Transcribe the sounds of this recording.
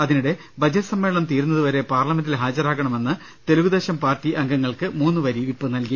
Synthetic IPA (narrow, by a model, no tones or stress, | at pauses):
ɐðinuɽe̞ | bɐd͡ʑɐtɐsɐmːe̞ːɭɐɳɐmt̪iːɾunːɐðuʋɐɾe̞paːrlɐmendilɦaːd͡ʑɐɾaːɣɐɳɐme̞nːɨ | t̪e̞luɣud̪e̞ːɕɐmpaːrtiʔɐŋɡɐŋːɐɭkɨmuːnːɨʋɐɾiʋipːɨnɐlki